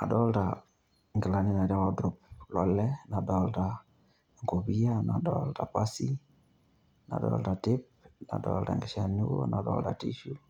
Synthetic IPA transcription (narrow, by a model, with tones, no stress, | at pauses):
a̰˨dɔ˦lta | ŋɡɪ˨la˨ni˦na˨ɾa˦wɔ˦dɾup̚lɔ˦lɛna˨dɔlta | ŋɡo˨βia˦na̰˨dɔ̰˦lta˨pasi˦ | na̰˨dɔ̰lta˨tɪp̚na̰˨dɔ̰lta̰˨ŋɡe˨ʃa˨ni˦wɔ̰˦na˨dɔ̰˦lta̰˨tḭ˦ʃu